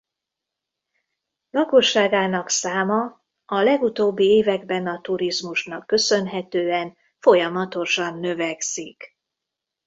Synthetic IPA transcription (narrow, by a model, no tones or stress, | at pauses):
lɒko̞ʃːaːɡaːnɒksaːmɒ | ɒlɛɡut̪oːbːieːvɛɡbɛnɒt̪uɾizmuʃnɒkːø̞sø̞nɦɛt̪øːɛn | fo̞jɒmɒt̪o̞ʃɒnːø̞vɛksik